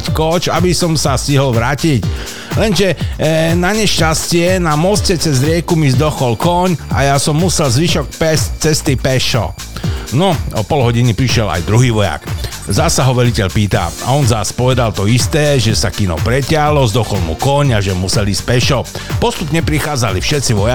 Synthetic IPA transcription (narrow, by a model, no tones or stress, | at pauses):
ckɔt͡ʃabisɔmsasiɦɔlʋɾaːcic | lɛnʒɛnaɲɛʃcascɪɛnamɔscɛt͡sɛzɾɪɛkumizd̪ɔxɔlkɔɲa̰jasɔmːusɛlzʋiʃɔk̚pɛsct͡sɛst̪ipɛʃɔ̰ | nɔɔpɔlɦɔɟinipɾiʃɪɛla̰jd̪ɾuɦiːʋɔja̰k | zasaɦɔʋɛlicɛʎpiːt̪a̰a̰ɔnzaspɔʋɛd̪alt̪ɔist̪ɛːʒɛsakinɔ̰pɾɛcɪalɔzd̪ɔxɔlmṵkɔɲaʒɛmusɛliːsc̚pɛʃɔpɔst̪upɲɛpɾixaːd͡zalifʃɛt̪t͡siʋɔja